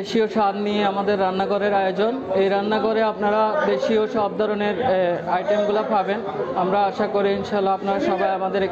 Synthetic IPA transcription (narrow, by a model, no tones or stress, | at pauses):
eʃioʃad̪nijeamad̪eɾːanːaɡoɾeɾajod͡ʑonejɾanːaɡoɾeap̚naɾad̪eʃioʃɔb̚d̪ʱɔɾoneɾajʈemɡulapʰaben | amɾaaʃakoɾiinʃalːaapnaɾaʃɔbajamad̪eɾ